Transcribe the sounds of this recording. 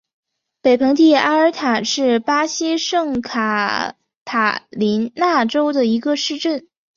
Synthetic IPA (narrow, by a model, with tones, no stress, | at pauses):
pe˨˩ɪpʰɤ˧˥ŋt̪i˥˩a˥ə˞˧˥t̪ʰa˨˩nʂɻ̩˥˩pa˥ɕi˥ʂɤ˥˩ŋkʰa˨˩ | t̪ʰa˨˩li˧˥nna˥˩ʈ͡ʂo˥ʊd̪ə˨i˧˥ɡə˧ʂɻ̩˥˧ʈ͡ʂə˥˩n